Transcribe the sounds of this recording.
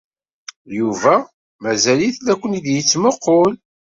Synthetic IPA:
juvæ | mæzæliθlækʷːənid̪jət͡sːmoqːol

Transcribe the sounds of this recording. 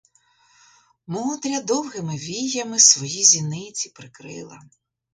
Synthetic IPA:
mɔɔd̪ɾʲɐd̪ɔwɦɪmɪʋʲijɐmɪsʋɔjizʲinɪt͡sʲipɾɪkɾɪ̰lˠɐ̰

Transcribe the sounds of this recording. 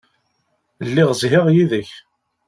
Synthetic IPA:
lːɪʁəzɦɪʁjiðəç

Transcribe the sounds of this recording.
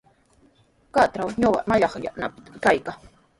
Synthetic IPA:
kat̪ɾawɲoɢɑ̰maʎɑχja̰nap̪kajkaŋ

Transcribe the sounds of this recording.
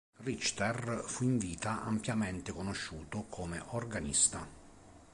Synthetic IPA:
rit͡ʃt̪ɛrfuiɱviːt̪aʔa̰mpjamɛnt̪ekonoʃːuːt̪okʰomḛʔorɡanḭst̪a

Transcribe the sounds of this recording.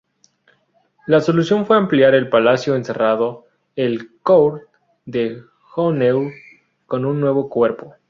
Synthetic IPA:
laso̞lusjo̞nfwe̞ampljaɾe̞lpalasjo̞ense̞raðo̞ | elkowɾt̪ | d̪e | xonew | ko̞nunːwe̞β̞o̞kwe̞ɾpo̞

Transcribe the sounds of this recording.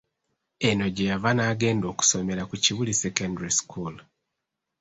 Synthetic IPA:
e̞no̞ɟejavanaːɡe̞ːndo̞ːku̥so̞me̞ɾakuciβulisekandaɾiskul

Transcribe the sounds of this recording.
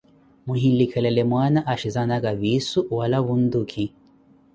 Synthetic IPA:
muɦilikʰɛlɛlɛmwanaʔaʃizanaɡavisuwalaβund̪ukʰi

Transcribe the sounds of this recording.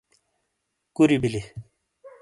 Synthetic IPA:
kuɾibili

